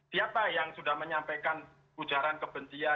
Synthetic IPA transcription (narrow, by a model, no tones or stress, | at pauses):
siapajaŋsudahməɲampakan | ud͡ʒaɾankəbənt͡ʃia